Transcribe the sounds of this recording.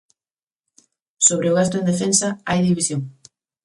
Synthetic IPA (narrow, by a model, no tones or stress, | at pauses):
soβɾeʊɣ̞ast̪ʊẽnd̪efensaajðiβisjoŋ